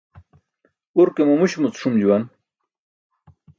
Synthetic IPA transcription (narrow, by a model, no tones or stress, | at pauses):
uɾkemomuɕmut͡sʂumd͡ʑuwan